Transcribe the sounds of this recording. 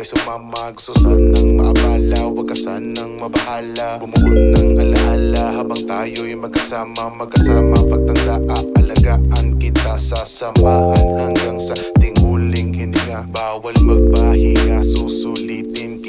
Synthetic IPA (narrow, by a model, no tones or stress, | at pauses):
ɐjsʊmamɐɡsʊsanɐŋmɐbaːlɐwɐɡɐsanɐŋmɐbɐʔaːlɐbʊmnɐŋɐlɐʔalahabɐŋt̪aːjojmɐɡɐsaːmɐmɐɡkːɐsaːmɐpɐɡ̚t̪ɐnd̪aʔɐʔɐlɐɡaʔɐŋkɪt̪asasɐmbaːhanhaŋɡaŋsɐt̪ɪŋulɪŋkɪnɪŋabaːwɐlmɐɡ̚baːhɪŋɐsusulit̪ɪn